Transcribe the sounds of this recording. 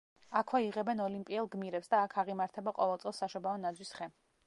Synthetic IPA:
akʰwɛiʁɛbɛnɔlimpʼiɛlˠɡmiɾɛpsd̪aːkʰaʁimaɾt̪ʰɛbaqʼɔvɛlˠt̪sʼɛlˠsaʃɔbaɔnad̪zwisχɛ

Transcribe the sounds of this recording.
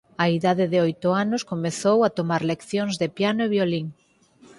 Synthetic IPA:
aiðaðeðeojt̪ʊanʊskomeθowat̪omaɾlekθjoŋzðepjanʊeβjoliŋ

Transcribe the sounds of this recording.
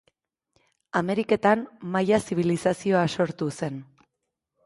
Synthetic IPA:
ame̞ɾike̞t̪ammajasiβilisasio̞aso̞ɾt̪use̞n

